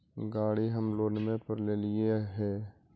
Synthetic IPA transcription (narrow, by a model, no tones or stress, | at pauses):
ɡaːɽiɦəmloːnmẽpəɾleːlieɦɛː